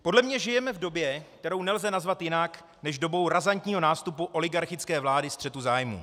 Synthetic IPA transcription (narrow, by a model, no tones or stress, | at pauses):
po̞dlɛmɲɛʒɪjɛmɛvdo̞bjɛk̚t̪ɛɾo̞wnɛlzɛnazvat̪jɪnak | nɛʒdo̞bo̞wɾazant̪ɲiːɦo̞naːst̪upuʔo̞lɪɡaɾxɪt͡skɛːvlaːdɪst̪r̥ɛt̪uzaːjmṵ